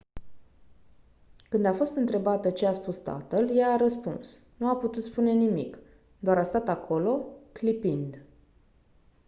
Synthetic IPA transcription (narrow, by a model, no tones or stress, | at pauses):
kɨnd̪afo̞st̪ɨnt̪ɾe̞bat̪ət͡ʃeaspust̪a̰t̪əljaːɾəspṵnsnuaput̪ut̪spune̞nimik | d̪oaɾast̪at̪akʰo̞lo̞klipind̪